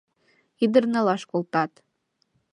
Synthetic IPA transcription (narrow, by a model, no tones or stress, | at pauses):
id̪ərnɤlˠɑʃkolˠt̪ɑt̪